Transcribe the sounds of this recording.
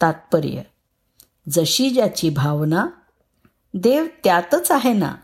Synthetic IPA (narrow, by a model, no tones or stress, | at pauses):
t̪at̪̚pəɾjə̰ | d͡zəɕid͡ʑjat͡ɕibʱaʋna | d̪eʋt̪jat̪ət͡saɦena̰